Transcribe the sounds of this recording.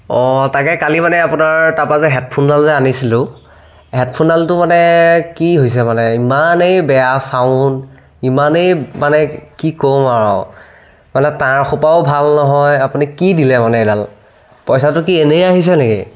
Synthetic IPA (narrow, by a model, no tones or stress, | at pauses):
ɔtakɛkalimanɛapunaɹtapazɛɦɛt̚pʰundalzɛanisilʊ | ɦɛt̚pʰundaltʊmanɛkiɦojs̬ɛmanɛimanejbɛjasaʊn | imanejmanɛkikomaɹɔ̰ | manɛtaɹxupaʊbʱalnɔɦɔjapunikidilɛmanɛdal | pɔjsatʊk̬ienejaɦis̬ɛnekḭ